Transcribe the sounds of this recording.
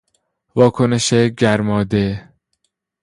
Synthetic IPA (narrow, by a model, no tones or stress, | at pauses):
vɒːkʰoneʃeɟæɾmɒːd̪e